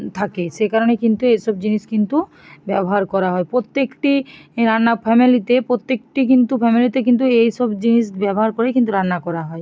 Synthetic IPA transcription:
t̪ʰakeʃekaɾonekint̪uejʃɔbd͡ʑiniskint̪u | bɛboɦaɾkɔɾaɦɔepɾot̪ːekʈiɾanːapʰɛmilit̪epɾot̪ːek̚ʈik̬int̪ufʰɛmilit̪ekint̪̬uejʃɔbd͡ʑiniʃbɛboɦaɾkoɾekint̪̬uɾanːakɔɾaɦɔe

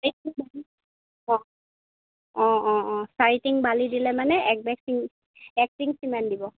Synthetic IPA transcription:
saitiŋbali | ɔ | ɔ̃ɔ̃ɔ̃saɹitiŋbalidilɛmanɛɛk̚bɛksiŋ | ɛk̚tiŋsimandibɔ

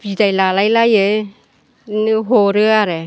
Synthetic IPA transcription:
b̥idajlalajlaje | nɯɦɔɾɯaɾe

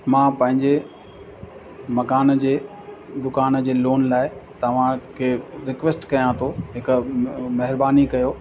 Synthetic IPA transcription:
mãːpɐ̃ɦɪ̃ɲd͡ʑe | mɐkaːnd͡ʑeː | d̪ʊkaːnd͡ʑeːloːnlaːɪt̪ɐʋ̤ãkʰeːɾɪkʋesʈkɐjãt̪ʰoɦɪkʊmɐɦɪɾbaːnikɐjoː

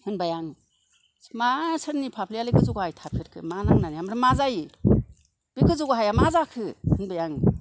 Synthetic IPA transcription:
hɯnbajaŋ | masɯɾnipʰapʰlijalɯɡɯzuɡhajtʰapʰiɾkʰɯmanaŋnaniamɾɯmazaj | b̥iɡɯzuɡɦajamazakʰɯhɯnbajaŋ

